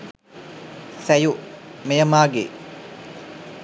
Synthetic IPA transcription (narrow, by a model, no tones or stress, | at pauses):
sæjumejəmaːɡḛ